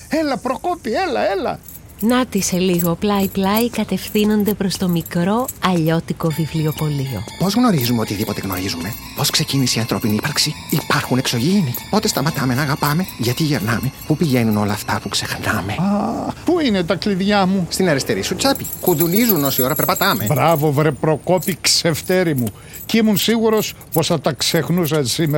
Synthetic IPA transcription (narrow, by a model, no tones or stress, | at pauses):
e̞lɐpɾo̞kopielɐe̞lɐ̰ | nɐt̪ise̞liɣo̞plɐiplɐikɐt̪e̞fθino̞nd̪e̞pɾo̞st̪o̞mikɾo̞ɐʎo̞t̪iko̞vivlio̞po̞lio̞̰po̞zɣno̞ɾizumeo̞t̪iðipo̞t̪e̞ɣno̞̰ɾizume̞ | po̞skse̞ciniseiɐnθɾo̞piniipɐɾksiːpɐɾxune̞kso̞ʝinipo̞t̪est̪ɐmɐt̪ɐme̞nɐɣɐpɐme̞ʝɐt̪iʝeɾnɐme̞pupiʝe̞nuno̞lɐːft̪ɐpukse̞xnɐme̞ɐpuinet̪ɐkliðʝɐmust̪inɐɾist̪e̞ɾisut͡sɐpikuðulizuno̞sio̞ɾɐpeɾpɐt̪ɐme̞bɾɐvo̞vɾepɾo̞ko̞pikse̞ft̪e̞ɾimu | cimunsiɣuɾo̞s | po̞sθɐt̪ɐkse̞xnus̬ɐnsime